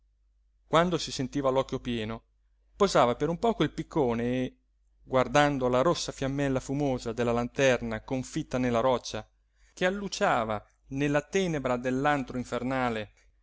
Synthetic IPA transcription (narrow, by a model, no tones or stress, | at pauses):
kwand̪osisent̪iːvalɔkːjopjɛːno | pozaːvapeɾumpɔːkoilpikːoːneː | ɡward̪and̪olaɾosːafjamːɛlːafumoːzad̪elːalant̪ɛrnakoɱfit̪ːanelːaɾɔt͡ʃːa | kealːut͡ʃaːva | nelːat̪ɛːnebɾad̪elːant̪ɾoiɱfernaːle